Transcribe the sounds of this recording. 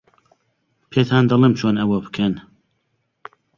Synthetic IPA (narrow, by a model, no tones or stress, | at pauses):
pʰeːt̪ʰaːnd̪ɐlˠemt͡ʃʰoːnɐwɐbɨ̥kʰɛn